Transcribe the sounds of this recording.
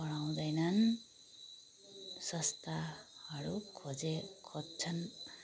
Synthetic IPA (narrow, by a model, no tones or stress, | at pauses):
bʌɽ̃aw̃d̪ʌjnʌn | sʌst̪ahʌɾukʰod͡zekʰodt͡sʰʌn